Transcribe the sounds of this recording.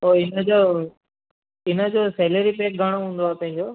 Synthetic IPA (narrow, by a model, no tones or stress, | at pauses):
oːɪnəd͡ʑoː | ɪnəd͡ʑoːsɛːləɾipeːk̚ɡʱəɽ̃oɦũːn̆d̪oaːpɐ̃ɦɪ̃ɲd͡ʑoː